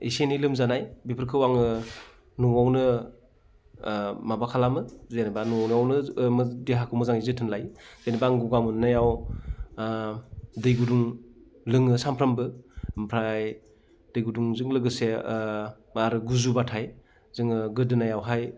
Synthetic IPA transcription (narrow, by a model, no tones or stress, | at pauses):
ḭsenilɯmzanajbipʰɯɾkʰɯwaŋɯ | nuŋawnɯ | mabakʰalamɯzenibanuŋawnɯawnɯmɯdiɦakʰɯwmɯzaŋizɯtʰɯnlajzenibaŋɡuɡamɯnajaw | dɯjɡuduŋ | lɯŋɯsampʰɾɐmbɯmpʰɾaj | dɯjɡuduŋzɯŋlɯɡɯse | maɾɯɡuzubatʰaj | zɯŋɯɡɯdɯnajawɦaj